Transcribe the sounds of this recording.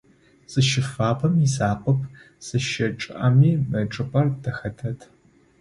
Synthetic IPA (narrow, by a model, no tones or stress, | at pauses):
zɨʃɪfaːpʰɐmisaːqʷɔpʰ | sɨʃɐʈ͡ʂʼʔɐmiːmɐʈ͡ʂʼɨpʼɐrdɐxɐdʰɐtʰ